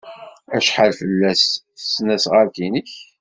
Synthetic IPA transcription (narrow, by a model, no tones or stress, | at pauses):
æʃħalfəlːæsθsnæsʁəɾkinəç